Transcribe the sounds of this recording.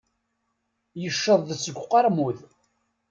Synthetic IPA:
jəʃːəðˤðəsəɡʷːqːɑɾmuð

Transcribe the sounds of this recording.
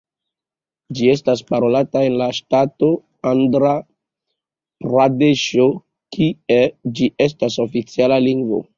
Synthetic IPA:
d͡ʒie̞s̬tas̬paɾo̞latae̞nlaʃtato̞ | andɾa | pɾadeʃo | kʰied͡ʒiʔe̞s̬tasofit͡sialaliŋɡvo̰

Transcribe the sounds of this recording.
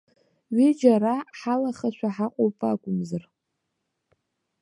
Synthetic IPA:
ɥid͡ʒaraħalaχaʃʷᶣʰaħaqʷʼowpʼakʷʼʊmzar

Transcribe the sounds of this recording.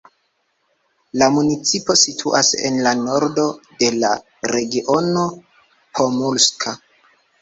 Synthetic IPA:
lamunit͡sipo̞sitʰuʔa̰sḛnlano̞ɾdo̞de̞la | ɾe̞ɡiʔo̞no̞ | pʰomulskʰa

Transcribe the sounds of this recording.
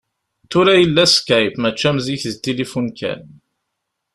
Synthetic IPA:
t̪ʊɾæjəlːæskæjpmæt͡ʃːæmziçðt̪ilifunkæ̰n

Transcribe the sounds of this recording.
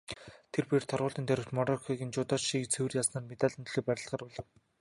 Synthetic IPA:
t̪ʰerpeːr̥t̪ʰɔrʁʊːɮt̪iːnt̪ʰæɾɪ̆w̥t̪mɔɾɔkʰiɣʲĭnt͡ɕʊt̪ɔːt͡ɕʃiːkt͡sʰewɘ̆rjaːsnaːrmet̪aːɮʲə̆nt̪̆ɮiːk̚pæɾʲɪ̆ɬt̪ɢaːrʊɮɞ̆w

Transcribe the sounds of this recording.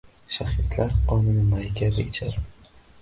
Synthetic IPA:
ʃahɪt̪ʰlaɾqɒnɪnɪmajkʲad̪ɪɪt͡ʃʰaɾ

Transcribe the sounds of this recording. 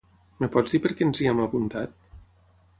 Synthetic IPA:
mepɔd͡zzðipəɾkɛnziɛmapunt̪at̪̚

